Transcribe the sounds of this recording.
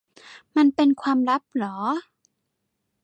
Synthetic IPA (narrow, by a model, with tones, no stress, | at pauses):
ma˧npe˧nkʰwaː˧mla˦˥p̚lɔː˩˦